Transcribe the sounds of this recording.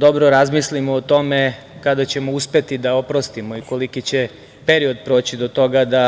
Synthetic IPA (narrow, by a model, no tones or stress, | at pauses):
d̪o̞bɾoɾazmislimoːt̪o̞me̞ | kad̪at͡ɕe̞mo̞uspe̞t̪id̪ao̞pɾo̞st̪imo̞iko̞likit͡ɕe̞ | pe̞ɾio̞d̪pɾo̞ːt͡ɕid̪o̞t̪o̞ɡad̪a